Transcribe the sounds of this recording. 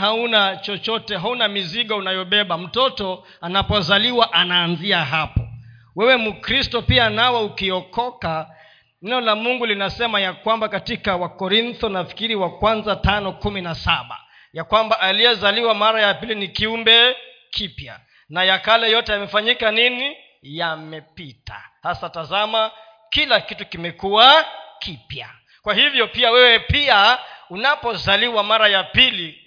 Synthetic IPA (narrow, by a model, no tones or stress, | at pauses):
ɦaunat͡ʃɔt͡ʃɔtɛɦaunamiziɠɔunajɔɓɛɓam̩tɔtɔ | anapɔzaliwaʔanaːnziaɦapɔ | wɛwɛmukɾistɔpianawɛukiɔkɔka | nɛɔlamuŋɡulinasɛmajakwambakatikawakɔɾint̪ɔnafi̥kiɾiwakwanzatanɔkuminasaɓa̰ | jakwambaʔalijɛzaliwamaɾajapilinikiumbɛ | kʰipja̰ | najakalɛjɔtɛjamɛfaɲikanini | jamɛpita̰hasatazama | kilakitukimɛkuwakʰipja | kwahivjɔpiawɛwɛpiaunapɔzaliwamaɾajapili